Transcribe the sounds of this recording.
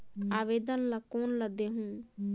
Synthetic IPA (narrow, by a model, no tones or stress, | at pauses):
aːʋeːd̪ənləkoːnləd̪eɦũ